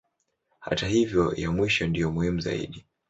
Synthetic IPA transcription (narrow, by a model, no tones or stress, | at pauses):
ha̰tahivjɔjamwiʃɔndijɔmuhimuza̰ḭɗi